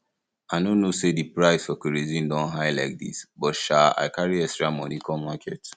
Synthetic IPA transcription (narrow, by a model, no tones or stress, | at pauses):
aɪnonosedipɹaɪsfɔkiɹezĩndɔ̃nɦaɪlaɪk̚dḭsbɔtʃaa̰ɪkʰaɹiɛkstɹamɔnikɔmakʰɛt